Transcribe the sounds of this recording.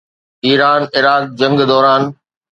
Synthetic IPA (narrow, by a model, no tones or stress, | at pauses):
iːɾaːnɪɾaːd̪̚d͡ʑɐ̃ŋɡd̪ɔːɾaːn